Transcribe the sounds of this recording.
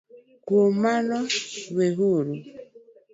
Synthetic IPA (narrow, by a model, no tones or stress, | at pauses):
komanɔweɦuɾu